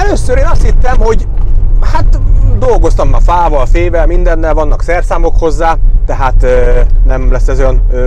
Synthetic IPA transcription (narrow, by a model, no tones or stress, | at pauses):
ɛløsːøɾeːnɒst̪hit̪ːɛmho̞ɟhat̪d̪o̞lɡo̞st̪ɒmːɒfaːvɒlfeːvɛlmind̪ɛnːɛlvɒnːɒksɛrsaːmo̞kho̞zːaːt̪ɛɦaːt̪nɛmlɛsːɛzojɒnø